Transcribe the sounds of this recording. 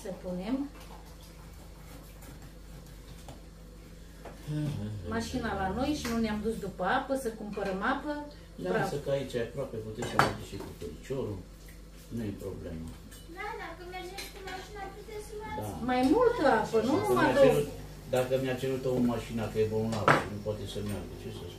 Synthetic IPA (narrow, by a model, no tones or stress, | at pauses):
səpune̞m | maʃinalano̞jʃinuneamd̪usd̪upəapəsəkumpəɾəmapə | d̪aɾasəkait͡ʃajapɾoapeput̪esʲamad̪iʃikufoɾit͡ʃoɾu | nujepɾo̰ble̞̰ma | d̪akəmeeemaʃinat̪ed̪amajmult̪əapənuumaad̪eɾut̪ | d̪akəmiat͡ʃe̞ɾut̪oomaʃinakəjebonlapə̰nupwat̪esəmʲja̰rɡət͡ʃesəs